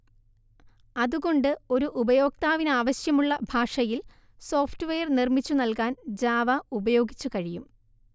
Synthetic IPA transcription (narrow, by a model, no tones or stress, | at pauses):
ɐðuɣo̞ɳɖɨo̞ɾuʔubɐjo̞ːk̚t̪aːʋinaːʋɐɕjɐmuɭːɐbʱaːʂɐjil | so̞ːftʋejɐrnirmit͡ɕːunɐlkaːnd͡ʑaːʋɐubɐjo̞ːɡit͡ɕːukɐɻijum